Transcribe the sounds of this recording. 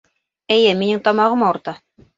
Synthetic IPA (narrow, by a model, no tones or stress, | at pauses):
ɘ̆jɘminɘŋt̪ɑmɑʁɤ̆mɑuɾt̪ɑ